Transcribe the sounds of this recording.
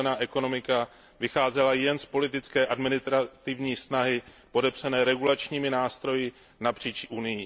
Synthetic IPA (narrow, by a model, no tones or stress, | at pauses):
naːʔɛko̞no̞mɪka | vɪxaːzɛlajɛnspo̞lɪt̪ɪt͡skɛːʔadmɪnɪst̪ɾat̪ɪvɲiːsnaɦɪ | po̞dɛpsanɛːɾɛɡulat͡ʃɲiːmɪnaːst̪ɾo̞jɪ | napr̝̥iːt͡ʃʔunɪjɪ